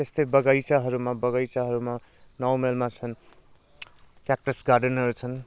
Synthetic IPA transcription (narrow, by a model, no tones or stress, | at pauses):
t̪est̪ʌbʌɡajt͡saɦʌɾumabʌɡʌjt͡saɦʌɾuma | nʌwmelmat͡sʰʌn | kjak̚ʈʌsɡarɖʌnɦʌɾut͡sʰʌn